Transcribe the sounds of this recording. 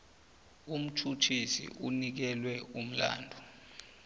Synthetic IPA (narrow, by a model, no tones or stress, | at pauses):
um̩tʰutʰisḭʔunik̬ɛlwɛum̩la̰ːndʱu